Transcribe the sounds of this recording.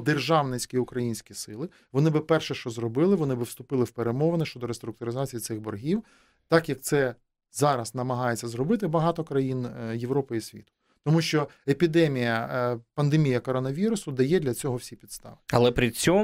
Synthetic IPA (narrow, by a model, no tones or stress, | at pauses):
d̪erʒɑwnɪsʲkʲiʊkɾɐjinʲsʲkʲisɪlˠɪ | ʋɔnɪbɪpɛrʃɛʃt͡ʃɔzrɔbɪlˠɪʋɔnɪbɪwst̪ʊpɪlˠɪwpeɾemɔʋɐnɪʃt͡ʃɔd̪ɔɾest̪ɾʊk̚t̪ʊɾɪzɑt͡sʲijisɪxbɔrɦʲiw | t̪ɑkjɐk̚t̪sɛ | zɑɾɐsnɐmɐɦɑjet͡sʲːɐzɾɔbɪt̪ɪbɐɦɑt̪ɔkɾɐjinjeʋɾɔpɪisʲʋʲḭt̪ʊ̥ | t̪ɔmuʃt͡ʃɔ | epʲid̪ɛmʲijɐpɐnd̪emʲijɐkɔɾɔnɐʋʲiɾʊsʊd̪ɐjɛd̪ʲlʲɐt͡sʲɔɦɔwsʲipʲid̪st̪ɑ̰ʋɪɐ̰lˠɛpɾʲɪt͡sʲɔm